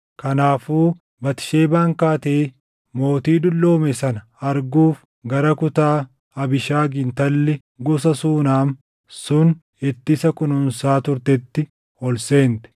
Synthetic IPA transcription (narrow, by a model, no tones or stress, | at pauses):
kɐnaːfuː | bɐt̪ɪ̥ʃeːbaːŋkaːt̪eː | mo̞ːt̪iːd̪ʊlːo̞ːmɛsɐnɐ | ɐɾɡuːf | ɡɐɾɐkʊt̪aː | ɐbɪʃaːɡɪnt̪ɐlːɛ | ɡɔs̬ɐsuːnaːm | sʊn | ɛt̪ːɪsɐkʊnʊnsaːt̪ʊɾt̪ɛt̪ːɪ | ɔlse̞ːnt̪ɛ̥